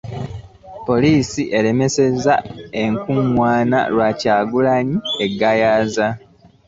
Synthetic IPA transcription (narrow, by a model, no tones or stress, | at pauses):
po̞liːsiʔe̞le̞me̞se̞zae̞ŋkumwaːna̰lwaːcaːɡulaɲie̞ɡajaːza